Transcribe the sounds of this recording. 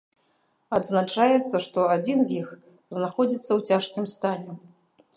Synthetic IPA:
ɐd̪znat͡ʂajɛt̪sːɐʂt̪ɔad͡zʲinzʲjix | znaxɔd͡zʲit̪sːɐwt͡sʲaʂkʲimst̪alʲɛ

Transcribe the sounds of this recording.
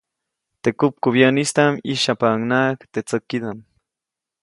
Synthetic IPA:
t̪ekʊp̚kʊβjanist̪amiʃapaŋnakt̪et͡səkːid̪am

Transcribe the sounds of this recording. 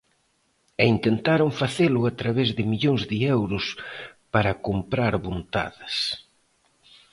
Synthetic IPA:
eint̪ent̪aɾoŋfaθelʊat̪ɾaβezðɪmiʎoŋzðɪɛwɾʊspaɾɐkompɾaɾβont̪a̰ðɐs

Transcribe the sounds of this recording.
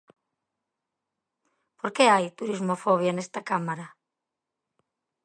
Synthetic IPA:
poɾkeajt̪uɾizmofɔβ̞janest̪akamaɾa

